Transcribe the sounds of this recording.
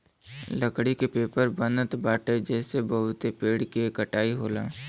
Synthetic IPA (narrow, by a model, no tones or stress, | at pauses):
ləkɽikepeːpəɾbənət̪baːʈed͡ʒɛːsebəɦʊt̪epeːɽkikəʈaːiɦoːla̰ː